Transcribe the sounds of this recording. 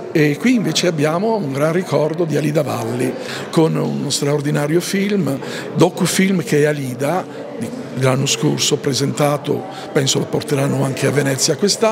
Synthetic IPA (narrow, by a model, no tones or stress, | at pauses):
ekːwiːɱveːt͡ʃeabːjaːmouŋɡɾanrikɔrd̪od̪ialid̪ava̰lːi | konṵnst̪ɾaord̪inaːɾjofilm | d̪ɔkːufilmk̟eɛaliːd̪a | d̪i | d̪elanːosko̰rsopɾezent̪aːt̪o̰ | pɛnsoapːort̪eɾanːoaŋkʰeavːenɛt̪sːjakːwest̪a